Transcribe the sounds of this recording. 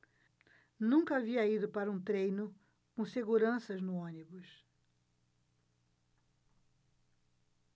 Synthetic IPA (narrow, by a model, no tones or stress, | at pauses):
nũŋkɐaviɐid̪ʊpaɾɐũt̪ɾejnʊ | kõseɡuɾɐ̃sɐznʊõnibʊs